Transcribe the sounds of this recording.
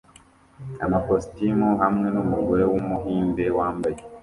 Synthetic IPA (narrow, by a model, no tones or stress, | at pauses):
amakostimuhamŋe̞numuɡoɾe̞wumuɦiːnde̞waːmbaje